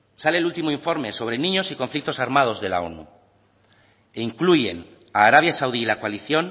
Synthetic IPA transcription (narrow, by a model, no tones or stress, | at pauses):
sale̞ːlult̪imoiɱfo̞ɾme̞so̞βɾe̞nĩɲo̞sikõ̞ɱflik̚t̪o̞saɾmað̞o̞zðe̞la̰o̞̰nṵ | eiŋkluʝe̞̰n | aːɾaβ̞jasawðiːlakoaliθjo̞n